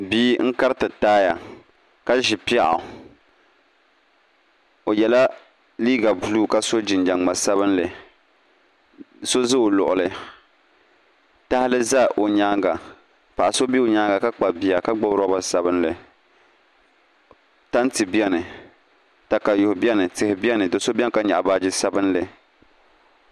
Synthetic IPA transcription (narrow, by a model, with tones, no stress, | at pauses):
biː˦ŋ̩˦ka˦ɾɨ˦tɨ˨taː˦ja̰˨ | ka˦ʒɪ˨pi˦a˦ʔo̰˨ | o˨jɛ˨la˦ | liː˦ɡa˨bu˨luː˦˨ka˦so˦d͡ʒɪ˨nd͡ʒa˨a˨sa˦βɨ˦nlɨ˨ | so˦zɨ˦o˨lʊ̰˨ʔʊ˨lɨ˨ | ta˦hɪ˦lɨ˦za˦ʔo˨ɲaː˦ŋɡa˨ | pa˨ʔa˨so˦bi˦o˨ɲaː˦ɡa˨ka˦k͡pa˨bi˨a˨ka˦ɡ͡bɔ˦bɾa˦ba˨sa˦bɨ˦nlɨ˨ | ta˦n˦tɨ˨bɛ˦nɨ˨ | ta˨ka˨jʊ˨hʊ˨bɛ˦nɨ˨tɪ˨hɪ˨bi˦ɛ˦nɨ˨dɨ˨so˦bʲi˦ɛ˦n˦ka˦ɲa̰˨ʔa˨ba˦d͡ʒɪ˦sa˦bɨ˦nlɨ˨